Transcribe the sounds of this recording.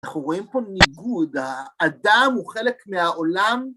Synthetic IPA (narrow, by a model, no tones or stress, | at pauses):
aχnuʁo̞impo̞niɡud̪aːd̪amuχe̞le̞kmeaʔo̞lam